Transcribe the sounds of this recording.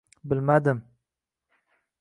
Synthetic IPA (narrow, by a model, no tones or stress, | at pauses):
bɪlmad̪ɪm